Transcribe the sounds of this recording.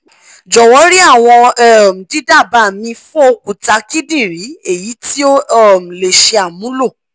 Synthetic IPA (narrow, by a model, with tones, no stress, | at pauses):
d͡ʒɔ˨wɔ˨˦ɾi˦a˦˨w̃ɔ̃˧ɛ˦˨m̩˨di˨˦da˦˨ba˧˨mĩ˧fɔ˦o˧ku˨ta˨˧˦ki˦dĩ˦˨ɾi˨˦e˦˨ji˨˦ti˦o˦˨m̩˨le˨ʃe˧a˨mũ˨˦lo˦˨